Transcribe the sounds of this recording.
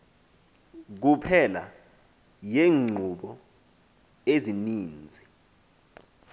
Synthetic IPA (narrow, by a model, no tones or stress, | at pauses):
k̬upʰɛla̰ | jeːŋ͡ǀʱuɓɔ | eziniːnd͡zʱi